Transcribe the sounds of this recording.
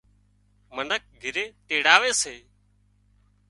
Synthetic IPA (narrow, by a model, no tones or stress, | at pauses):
mənək̚ɡʱɪɾeːʈ̪eːɽaːʋeːseː